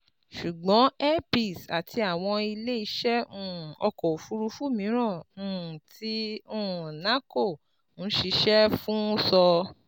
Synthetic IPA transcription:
ʃu˨ɡ͡bɔ̃˨˦ɛ˦pi˦˨sa˨tʰi˧a˨w̃ɔ̃˧i˧le˦i˧˦ʃɛ˦ũ˦˨ɔ˧kɔ˨fu˧ɾu˧fu˦˨mĩ˨˦ɾ̃ã˦˨ũ˨ti˧ũ˦˨na˨˦ko˦˨ | n̩˨˦ʃi˧ʃɛ˦fũ˦sɔ˧

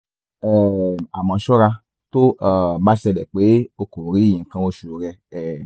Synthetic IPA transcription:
ɛ˦˨a˨mã˨˧˦ʃɔ˦ɾa˧ | to˦a˨˦ba˦ʃɛ˧lɛ˨k͡pe˨˦o˧ko˨ɾi˨˦˨jĩ˨kã˧o˧ʃu˨o˨ɾɛ˧ɛ˨

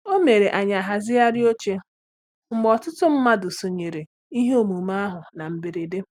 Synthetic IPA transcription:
o˦me˨ɾe˨ʔa˨ɲa˨ɦa˨zɪ˦ja˦ɾɪ˦o˦t͡ʃe˦ | ŋ͡m̩˦ɡ͡bɔ˨tʊ˦tʊ˦m̩˦ma˦dʊ˨so˨ɲe˨ɾe˨ | i˦ɦe˦o˨mu˨ma˦ɦʊ˨na˨m̩˨bɪ˨ɾe˨de˦

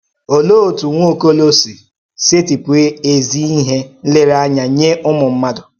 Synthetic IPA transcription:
o˨lo˦o˨tu˨ŋʷ˦o˦ko˦lo˦si˨ | se˦ti˨pwe˦e˨zi˦i˦ɦe˦le˦ɾa˦ɲa˨ɲe˦ʔʊ˦mʊ˨m̩˦ma˦dʊ˨

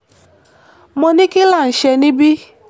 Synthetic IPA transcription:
mɔ˦ni˦ki˦la˦˨n̩˨ʃɛ˧ni˦bi˦

